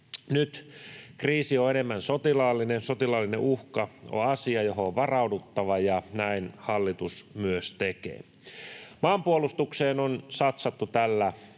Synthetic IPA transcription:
nyt̪kriːsioenemːænsot̪ilɑːlːinesot̪ilɑlːinḛʔuhkɑo̰ɑsiɑjoɦoːʋʋɑrɑudut̪ːɑʋɑjɑnæinhɑlːit̪usmyøst̪ekḛː | mɑːmpuolust̪ukseːnonsɑt̪sɑt̪ːut̪ælːæ

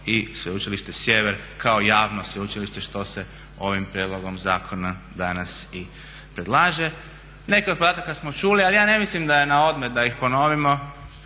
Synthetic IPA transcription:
isʋeut͡ʃiliʃt̪esje̞ʋeɾkʰao̞jaːʋnosʋeut͡ʃiliʃt̪e̞ʃt̪o̞se̞ | o̞ʋimpɾjed̪lo̞ɡo̞mzaːkʰonad̪anasi | pɾed̪lˠaːʒe̞ | ne̞kiod̪̚pod̪aːt̪akasmot͡ʃulialijaːne̞mislimd̪ajenao̞d̪met̪̚d̪aixpo̞noʋimo̞

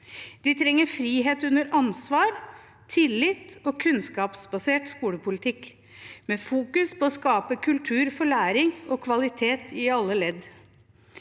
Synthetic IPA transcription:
d̪̥ɪt̪ʰɾɛŋːəɾfɾiːɦeːt̪ʉnːəɾɑnsʋɑːɾ | t̪ʰɪlːɪt̪ɔːkʰʉnskɑːpsbɑseːʈskuːləpʰʊlɪt̪ʰɪk | meːfuːkʉspʰɔːskɑːpəkʰʉlt̪ʰʉːɾfɔɭæːɾɪŋɔkʰʋɑlɪt̪ʰeːt̪ʰɪɑlːəlɛd̪

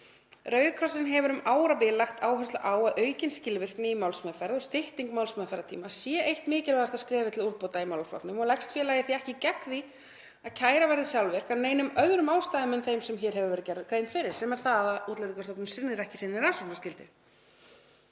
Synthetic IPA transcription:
rœɥðʏkʰɾɔsɪnɦɛvʏɾʏmaːwɾapɪlaxt̪aːwɦœst̪la̰ʔaːwaðʔœːɥcɪnscɪlvɪr̥knɪimawlsmœðfɛɾðɔɣst̪ɪht̪iŋkmawlsmœðfɛɾðat̪ʰḭːmasjɛʔejht̪mɪːcɪɾvaast̪askɾɛːvɪt̪ʰɪluɾpowt̪aimaːwlaflɔ̰knʏmɔɣlɛkst̪fjɛːlajðɪθiɛhcɪcɛkði | aðcʰaːjɾavɛɾðɪsjawlvɛr̥kaðneːjnʏmœðɾʏmaːwst̪ajðɪmʏnθejmsɛmçɛɾ̥ɦɛvʏvɛɾ̥t̪cɛɾkɾeːjnfɪɾɪɾ̥sɛmɛɾ̥θaðauːt̪let̪ɪkʰɔst̪ɔknɪmsɪnːɪɾɛhcɪ̥sɪnːɪɾaːsɔnascɪlt̪ʏ

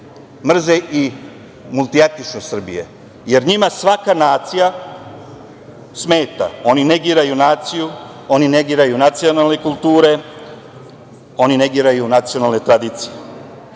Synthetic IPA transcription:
mr̩zeʔi | mulˠt̪iet̪it͡ʃnosr̩bḭjḛ | je̞ɾɲimasʋakanaːt̪sija | sme̞ːt̪a̰o̞nineɡiːɾajunaːt̪siju | o̞nine̞ɡiːɾajunat̪sionalne̞kulˠt̪uːɾe̞ | o̞nine̞ɡiːɾajunat̪sio̞naːlˠne̞t̪ɾad̪iːt̪sije

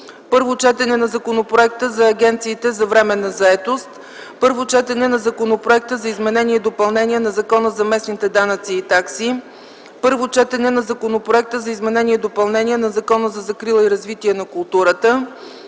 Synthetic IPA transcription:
pɤɾvot͡ʃɛt̪ɛnɛnɐzɐkonopɾoɛk̚t̪əzɐːɡɛnt̪siːt̪ɛzɐvɾɛmɛnɐzɐɛt̪ost̪ | pɤɾvot͡ʃɛt̪ɛnɛnɐzɐkonopɾoɛk̚t̪əzɐizmɛnɛniɛd̪opɐlˠnɛniɛnɐzɐkɔnəzɐmɛsnit̪ɛd̪anət̪siːt̪aksi | pɤɾvot͡ʃɛt̪ɛnɛnɐzɐkonopɾoɛk̚t̪əzɐizmɛnɛniɛd̪opɐlˠnɛnʲiɛnɐzɐkɔnəzɐzɐkɾilˠiɾɐzvit̪iɛnɐkʊlˠt̪uɾət̪ə

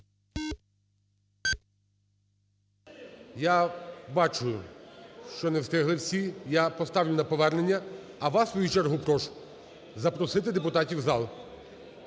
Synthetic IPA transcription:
jabɑt͡ʃʊjʊʃt͡ʃɔnɛwst̪ɪɦlˠɪwsʲijapɔst̪ɑwlʲʊnɐpɔʋɛrnenʲːɐ | ɐʋɑsʋɔjut͡ʃɛrɦupɾɔʃʊ̥ | zɐpɾɔsɪt̪ɪd̪epʊt̪ɑtʲiwzɑlˠ

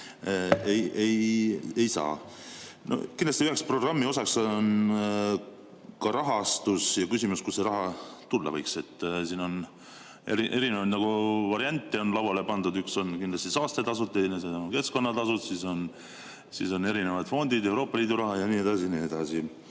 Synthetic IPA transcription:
eje̞je̞jsɑ̰ː | nʔo̰kind̪lɑst̪iyhekspro̞ɡrɑmːio̞sɑksn | kɑɾɑɦɑst̪usjɑkysʲimuskuse̞ɾɑɦɑt̪ulːɑ̰vɤjkse̞t̪ːsiːno̞n | e̞̰ɾiʔe̞ɾinevɑjd̪nɑɡ̥uvɑɾiɑnʲt̪ːˑeo̞nlɑwɑle̞pɑnd̪̥ud̪ykso̞nkind̪lɑst̪isɑːst̪e̞t̪ɑsut̪ːˑeneseoke̞sko̞nːɑt̪ɑsut̪siso̞n | sḭso̞ne̞ɾine̞vɑd̪̥fo̞nd̪̥id̪e̞wɾo̞ːpːɑliːd̪uɾɑɦɑjɑnie̞d̪̥ɑsinie̞d̪̥ɑsi

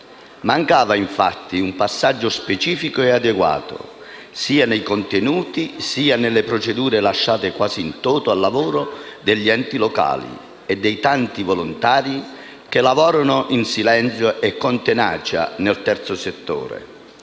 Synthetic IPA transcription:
maŋkaːvaiɱfat̪ːiumpasːad͡ʒːʊspet͡ʃiːfikʊɛad̪eɡwa̰ːt̪ʊ̰ | siːanejkont̪enuːt̪isiːanelːepɾot͡ʃed̪uːɾelaʃːaːt̪ɪkwaːsiːnt̪oːt̪ʊalːavuːɾʊd̪ɪʎːiɛnt̪iloka̰ːlḭ | ɛd̪ːɛjt̪ant̪ivolʊnt̪aːɾi | kelavɔːɾanʊʔinsilɛnt̪sjʊʔɛkːɔnt̪ena̰ːt͡ʃa̰nelt̪ɛrt̪sʊset̪ːo̰ːɾḛ

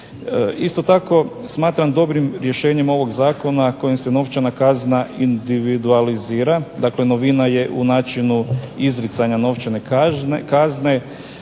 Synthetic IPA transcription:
ist̪o̞t̪ako̞ | smaːt̪ɾamd̪o̞bɾimɾje̞ʃe̞ːɲemo̞ʋo̞ɡzaːko̞nakojimseno̞ʋt͡ʃanakaznaind̪iʋid̪ualiziːɾad̪aːkle̞no̞ʋinaje̞ʔunaːt͡ʃinuizɾit̪saɲano̞ʋt͡ʃane̞kazne̞

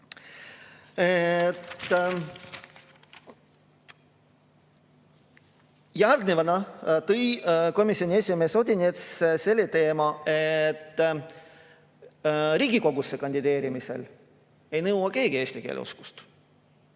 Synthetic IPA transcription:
et̪ː | jærd̪nivɑnɑt̪ɤjko̞misio̞nʲie̞sʲime̞ːso̞d̪ʲinet̪sse̞lːet̪e̞ːmɑet̪ːˑ | ɾiːɡiko̞ɡusːekɑnʲd̪̥id̪e̞ːɾimisḛl | e̞jnɤwwɑke̞ːɡ̥ie̞ːst̪ikḛːlḛṵsku̥st̪

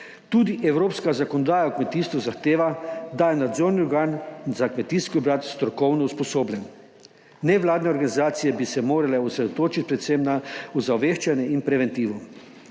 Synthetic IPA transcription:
t̪uːd̪iʔɛwɾoːpskazakonɔd̪aːjaukmɛt̪iːst̪ʋuzaxt̪eːʋad̪ajɛnad̪zoːɾniɔɾɡaːnzakmɛt̪iskɔɔbɾat̪st̪ɾɔkɔwnɔuspɔsoːblʲɛn | nɛʋlaːd̪nɛɔɾɡanizaːt̪sijɛbisɛmoːɾalɛɔsɾɛd̪ot̪oːt͡ʃit̪̚pɾɛt̪semnauzaʋeːʃt͡ʃanjɛinpɾɛʋɛnt̪iːʋɔ

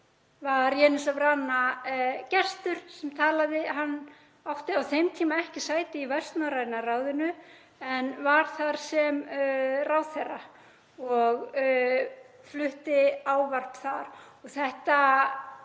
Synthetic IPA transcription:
vaɾjɛːnɪsavranːacɛst̪ʏɾ̥sɛmt̪ʰaːlaðɪɦanː | awht̪ɪawθejmt̪ʰiːmaɛhcɪsaːjt̪ɪivɛst̪naɾajɪnaraːwðɪnʏ | ɛnvaɾ̥θaɾ̥sɛmrawθɛrːa | ɔɣ | flʏht̪ɪaːwvar̥pθaɾɔɣθɛht̪a

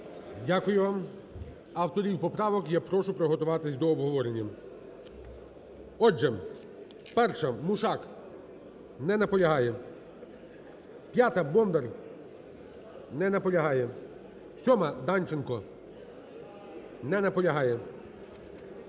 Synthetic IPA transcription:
dʲakʊjʊʋam | ɐwt̪ɔɾʲiwpɔpɾɑʋɔkjɛpɾɔʃʊpɾɔɦɔt̪ʊʋɑt̪ɪsʲd̪ɔːbɦɔʋɔɾenʲːɐ | ɔd͡ʒɛ | pɛrʃɐmʊʃɑk | nɛnɐpɔlʲɐɦɑjɛ | pʲjat̪ɐbɔmd̪er | nɛnɐpɔlʲɐɦɑjɛ | sʲɔmɐd̪ɑnʲt͡ʃɪnkɔ | nɛnɐpɔlʲɐɦɑjɛ

